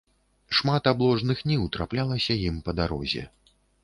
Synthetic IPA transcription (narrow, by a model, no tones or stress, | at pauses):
ʂmat̪ablˠɔʐnɨxnʲiwt̪ɾaplʲalˠɐsʲɐjimpɐd̪aɾɔ̰zʲɛ̰